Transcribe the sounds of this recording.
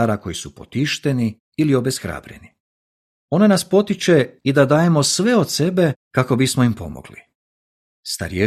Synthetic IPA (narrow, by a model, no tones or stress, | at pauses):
aːɾako̞jisupo̞̰t̪iʃt̪e̞ni | ilio̞besxɾa̰ːbɾḛni | onanaspo̞t̪it͡ʃe̞id̪ad̪aːje̞mo̞sʋe̞o̞d̪se̞be̞kako̞bismoimpo̞̰mo̰ɡ̥lḭ | st̪a̰ɾie